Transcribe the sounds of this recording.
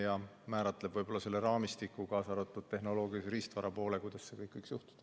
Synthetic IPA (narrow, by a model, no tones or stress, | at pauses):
jɑ | mæːɾɑt̪ːˑle̥vɤjbo̞lːɑse̞lːe̞ɾɑːmist̪ikːˑukɑːsɑɾot̪ːˑud̪̥̚t̪e̞ɦno̞lo̞ːɡ̥iɑsɾist̪vɑɾɑpo̞ːle̞kujd̪̥ɑsse̞kɤjkːɤjkjuht̪u̥d̪̥ɑ